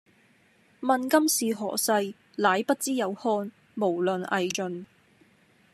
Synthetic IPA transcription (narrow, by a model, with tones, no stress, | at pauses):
mɐ˨nkɐ˥msiː˨ɦɔ̰ː˨˩sɐ˧j | laː˨˥jpɐ˥t̚t͡siː˥jɐ˨˧whɔː˥n | mo˨˩wlɵ˨nɐ̰˨jt͡ʃɵ˨n